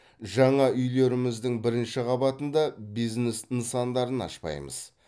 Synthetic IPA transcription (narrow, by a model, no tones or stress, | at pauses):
ʒɑɴɑʏjle̞ɾɪmɪzd̪ɪŋbɪɾɪnʃɪʁɑbɑt̪ənd̪ɑbijznesnsɑnd̪ɑɾənɑ̰ʃpɑ̰jmə̰z̥